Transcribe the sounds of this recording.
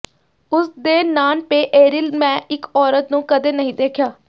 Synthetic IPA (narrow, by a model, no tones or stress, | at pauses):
ʊsd̪eːnaːnpeːʔeːɾɪlmɛ̃ːɪkɔːɾət̪nũːkəd̪eːnəɦĩːd̪eːkʰjaː